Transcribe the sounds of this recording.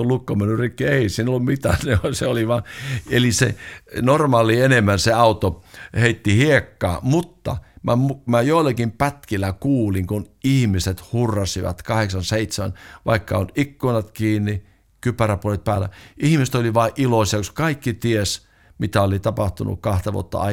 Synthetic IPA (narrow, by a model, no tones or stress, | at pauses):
olukːomenyrikːieisiːnolːummit̪æ̰neoseoliʋɑːelisḛnormɑːlienemːænseɑut̪oheit̪ːihiekːɑ̰ːmut̪ːɑ̰mæ̰mumæjoˑilːˑɑkimpæt̪kilːækuːliŋkunihmiset̪hurːɑsiʋɑ̰t̪kɑheksɑnseit̪semæ̰nʋɑ̰ikːɑonikːunɑt̪kiːnːi | kypæræpuolet̪̚pæːlæ̰ihmist̪oliʋɑiʔʔiloisɑkoskɑikːit̪ies | mit̪æolit̪ɑpɑht̪unṵkkɑht̪ɑʋṵo̰t̪ːɑ̰ɑ̰